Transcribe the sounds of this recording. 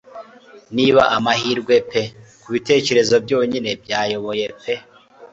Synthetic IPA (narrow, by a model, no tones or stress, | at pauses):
niːβa̰ʔamahiːɾɡwe̞pekuβite̞ːce̞ɾe̞zo̞bjo̞ːɲine̞b̚jaːjo̞βo̞je̞pe̞